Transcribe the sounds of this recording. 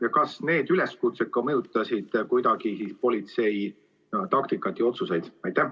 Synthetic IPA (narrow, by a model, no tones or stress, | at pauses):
jɑkɑsne̞ːd̪̥yleskut̪se̞t̪̚kɑmɤjut̪ˑːɑsid̪̥kujd̪ɑɡisispo̞lit̪se̞j | t̪ɑk̚t̪ikˑːɑt̪ːˑjɑo̞t̪suse̞jd̪̥ɑjt̪ːæh